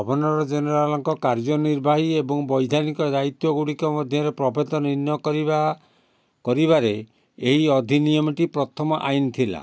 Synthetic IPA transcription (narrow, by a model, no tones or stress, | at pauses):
bʱɔbʱɔnɔɾɔd͡ʒenɔɾalɔŋkɔkaɾd͡ʒɔniɾbʱaɦiebɔŋbɔjd̪ʱanikɔd͡ʒajt̪wɔɡuɽikɔmɔd̪ʱjɔɾepɾɔbʱed̪ɔninjɔkɔɾiba | kɔɾibaɾe | eɦiɔd̪ʱinijɔmɔʈipɾɔt̪ʰɔmɔʔajnt̪ʰila̰